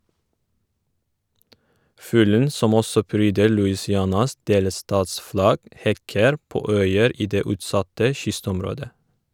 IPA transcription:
ˈfʉːlən ˈsɔm ˈɔsɔ ˈpɾyːdə ɭʉɪsɪˈɑnɑs ˈdeːləˌstɑːtsˌflɑɡ ˈhɛkəɾ ˈpoː ˈœʏəɾ ˈiː ˈdeː ˈʉːtˌsɑtə ˈʃʏstɔmˌɾoːdə

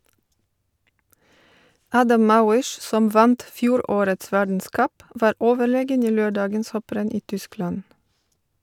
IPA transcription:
ˈɑːdɑm ˈmɑːwɪʃ ˈsɔm ˈʋɑnt ˈfjuːˌɾoːɾəts ˈʋæɖɳ̩ˌskʌp ˈʋɑːɾ ˈʔoːʋəˌɭeːɡən ˈiː ˈløːˌɖɑːɡəns ˈhɔpɾɛn ˈiː ˈtʏˌsklɑn

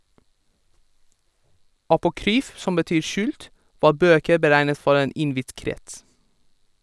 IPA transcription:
ɑpʊˈkɾyːf ˈsɔm bəˈtyːɾ ˈʃʉːlt ˈʋɑː ˈbøːkəɾ bəˈɾæɪnət ˈfɔɾ ˈeːn ˈɪnˌʋɪt ˈkɾɛts

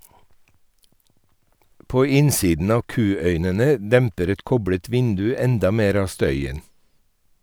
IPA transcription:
ˈpoː ˈɪnsiːdn̩ ˈɑːʋ ˈkʉːœʏnənə ˈdɛmpəɾ ˈɛt ˈkɔbɽət ˈʋɪndʉ ˈɛndɑ ˈmeːɾ ˈɑː ˈstœʏən

